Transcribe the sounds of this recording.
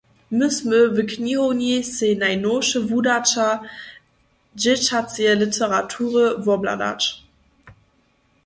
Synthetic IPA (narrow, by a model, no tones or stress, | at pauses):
məsmøvəkʰnihonisenajnoʃəvudat͡ʃa | d͡ʒet͡ʃat͡siəlitʰəʁatʰuːʁəvɔbla̰da̰t͡ʃ